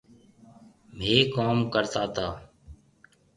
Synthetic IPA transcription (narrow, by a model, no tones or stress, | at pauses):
m̤eːkoːmkəɾt̪aːt̪ʰaː